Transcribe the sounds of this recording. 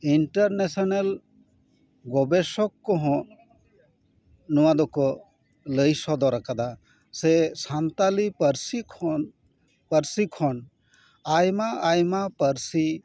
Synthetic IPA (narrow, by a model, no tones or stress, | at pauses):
iɳʈəɾnesɔnel | ɡɔbesɔkːɔɦɔ̃ | nuwad̪ɔkɔ | ləjsɔd̪ɔɾakad̪a | sesant̪alipəɾsikʰɔ | pəɾsikʰɔn | ajmaajmapəɾsi